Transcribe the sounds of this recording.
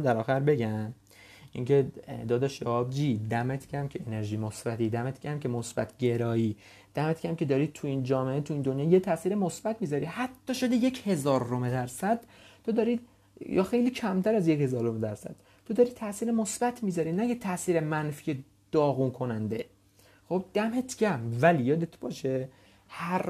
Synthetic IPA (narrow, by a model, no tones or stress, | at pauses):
d̪æɾɒːxæɾbe̞ɟæm | ḭŋced̪ɒːd̪æʃæɒːb̚d͡ʒiːd̪æmet̪ʰcʰæmcʰeeneɾʒiːmosbæt̪ʰiːd̪æmet̪ʰcʰæmcʰe̞mosbæ̰t̪ʰɟe̞ɾɒːiː | d̪̥æmet̪kʲʰæmcʰe̞d̪ɒːɾit̪ʰuind͡ʒɒːmeet̪ʰuiːnd̪o̞njɒːjet̪ʰæʔsiːɾemosb̥æt̪ʰmiːzɒɾihæt̪ʰːɒːʃod̪eje̞cʰhe̞zɒːɾːomed̪æɾsæd̪̥t̪ʰo̞d̪ɒːɾiːd̪ | jɒ̰xe̞jliːcʰæmt̪ʰæɾæzjechezɒːɾomed̪æɾsæ̰d̪̥̚ | t̪ʰod̪ɒːɾiːt̪ʰæʔsiːɾemosb̥æt̪ʰmiːzɒɾiːnæket̪ʰæʔsiːɾemænfije | d̪̥ɒːɣuːnkʰo̞nænd̪e̞ | xo̞b̚d̪̥æmet̪ʰɡæmvælijɒːd̪et̪ʰbɒːʃe | hæɾ